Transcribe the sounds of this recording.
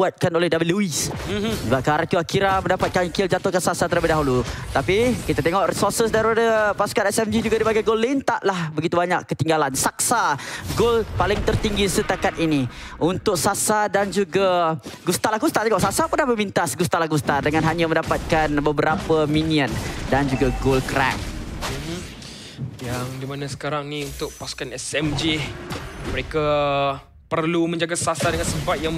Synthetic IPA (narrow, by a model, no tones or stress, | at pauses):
uat̪̚kanolɛhdabiluisəbap̚kaɾat̪uakiɾaməndapat̪̚kaŋkɪld͡ʒat̪ohkansasat̪əɾabidaɦulut̪apikit̪at̪eŋɔʔrisɔrsəs̬daɾipadəpasu̥kanɛsɛmd͡ʒid͡ʒuɡadibaɡajɡolːint̪aʔlahbəɡit̪ubaɲakːət̪iŋɡalansak̚saɡolpalɪŋt̪ərt̪iŋɡisət̪akat̪iniʔunt̪ʊk̚sasadand͡ʒuɡaɡust̪alaɡust̪at̪eŋɔʔsasapundaməmint̪asɡust̪alaɡust̪adəŋãnɦaɲamə̃ndapat̪̚kanbəbəɾapəminiəndand͡ʒuɡaɡolkɾa̰k̚m̩m̩ | jaŋdimanãsə̥kaɾaŋnĩunt̪ʊk̚pasu̥kanɛsɛmd͡ʒi | məɾeka | pərlumə̃ɲd͡ʒaɡasasadəŋansəbat̪̚jaŋ